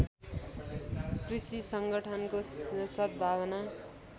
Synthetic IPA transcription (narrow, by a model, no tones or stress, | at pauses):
krisisʌŋɡʌʈʰʌnkosʌt̪̚bʱabʌna